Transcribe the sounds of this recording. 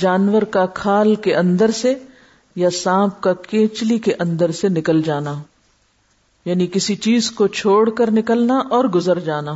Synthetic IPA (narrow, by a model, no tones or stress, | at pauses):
d͡ʒaːnwəɾkakʰaːlkeʔɐ̃nd̪əɾse | jasãːp̚kakẽːt͡ʃlikeʔɐ̃nd̪əɾsenɪkəld͡ʒaːna | jaːnikɪsit͡ʃiːzkot͡ʃʰoːɽkəɾnɪkəlnaʔɔːɾɡʊzəɾd͡ʒaːnaː